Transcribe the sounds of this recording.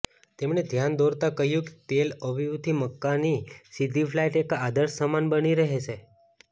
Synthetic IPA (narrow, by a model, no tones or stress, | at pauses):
t̪emɳed̪ʱjand̪oɾt̪akəɦjũke̥t̪eləʋiʋut̪ʰiməkːanisid̪ʱifʰlaiʈekad̪əɾssəmanbəniɾəɦet͡ʃʰe